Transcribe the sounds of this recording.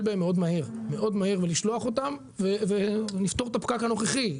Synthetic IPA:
lbaemːeo̞d̪mahiʁme̞ʔo̞d̪mahiʁveliʃloaχo̞t̪am | vevenift̪o̞ʁt̪apkakhano̞χeχi

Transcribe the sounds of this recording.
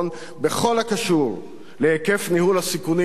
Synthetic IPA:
n | be̞χo̞lhakaʃuʁ | leheke̞fnihulasikuni

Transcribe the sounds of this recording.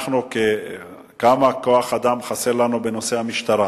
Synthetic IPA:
χnuke | kamakoaχad̪amχaseʁlanubenose̞hamiʃt̪aʁa

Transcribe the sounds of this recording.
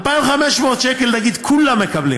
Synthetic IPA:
lpaivχameʃmo̞ːt̪ʃekelnaɡid̪kʰulamːe̞kablḭ

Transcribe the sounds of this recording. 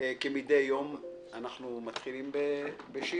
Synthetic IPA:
kemid̪ejjom | anaχnumat̪χilimbebeʃi

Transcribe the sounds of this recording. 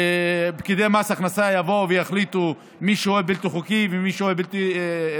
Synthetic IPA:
ebkid̪emasaχnasajavo̞vejaχlit̪u | miʃeoebilt̪iχukivemiʃeoebilt̪i

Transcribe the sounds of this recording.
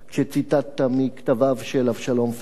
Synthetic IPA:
ʃet͡sit̪at̪ːamikt̪avavʃelafʃalo̞mf

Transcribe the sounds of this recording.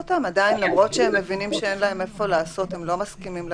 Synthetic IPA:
otamadainlamʁo̞t̪ʃeemːe̞vinimʃee̞nlahe̞me̞fo̞laːso̞te̞mlo̞maskimiml

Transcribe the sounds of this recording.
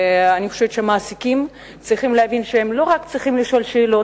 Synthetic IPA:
anixoʃevett͡ʃʃeamaːsikim | t͡sʁiχimleavinʃehemlo̞ʁakt͡sʁiχimliʃo̞lʃe̞ːlo̞

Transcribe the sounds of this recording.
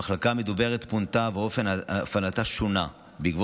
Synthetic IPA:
aχlakamed̪ube̞ʁetpuntaveo̞fe̞naafalataʃona | bikv

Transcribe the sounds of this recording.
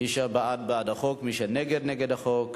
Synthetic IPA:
iʃabaʔad̪̚baad̪aχokmiʃeneɡeɾneɡed̪haχok

